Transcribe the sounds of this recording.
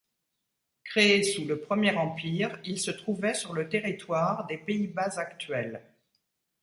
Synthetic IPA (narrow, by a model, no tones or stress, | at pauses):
kχeːsuləpχəmjɛʁɑ̃piʁilsət̪χuvɛsyʁlət̪eʁit̪waʁd̪epeibazakt̪ɥɛl